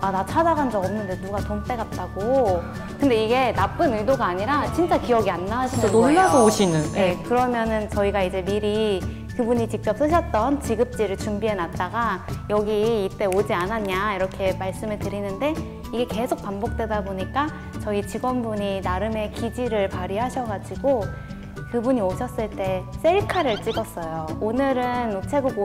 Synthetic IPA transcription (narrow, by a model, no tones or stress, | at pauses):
adat͡ɕʰad͡ʑaɡand͡ʑʌɡʌmnɯnde̞nuɡatomt͈e̞ɡat̚t͈aɡo | kɯnde̞iɡe̞nap͈ɯnidoɡaːɲiɾat͡ɕint͡ɕ͈akijʌɡianːaɦaɕʰinnoːaooɕʰinɯnje̞kɯɾʌmjʌnɯnt͡ɕʌiɡaid͡ʑe̞miɾi | kɯbuɲit͡ɕik̚t͡ɕ͈ʌp̚s͈ɯɕ̬ʰʌt̚t͈ʌnt͡ɕiɡɯp̚t͡ɕ͈iɾɯɭt͡ɕumbie̞nat̚t͈aɡajʌɡiːt͈e̞od͡ʑianaɲaiɾʌkʰe̞maɭs͈ɯmeɭtɯɾinɯnde̞ | iɡe̞ke̞sʰok̚pambok̚t͈we̞daboɲik͈a | t͡ɕʌit͡ɕiɡʌnbuɲinaɾɯme̞kid͡ʑiɾɯɭpaɾiɦaɕʰʌɡad͡ʑiɡo | kɯbuɲioɕʰʌs͈ɯɭt͈e̞s͈e̞ɭkʰaɾɯɭt͡ɕ͈iɡʌs͈ʌjoonɯɾɯnot͡ɕʰeɡuɡo